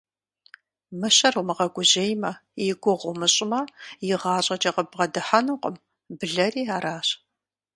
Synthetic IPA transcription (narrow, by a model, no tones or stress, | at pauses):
mɨɕɐrumɨʁɐɡʷʊʑejmɐjɪɡʷʊʁʷʊmɨɕʼɪmɐjɪʁɑːɕʼɐt͡ʃʼɐqəbʁɐdɨħanuqʷə̰m | bɨɮɐriːaːɾaːɕ